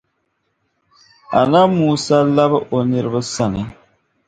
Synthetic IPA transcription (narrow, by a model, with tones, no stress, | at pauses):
a̰˨na˦muː˦sa˦la˦bɨ˦ʔo˨ni˨ɾɨ˦bɨ˦sa˦nɨ˨